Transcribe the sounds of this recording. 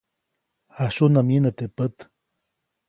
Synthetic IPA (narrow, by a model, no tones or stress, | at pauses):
haʃunamjənət̪epət̪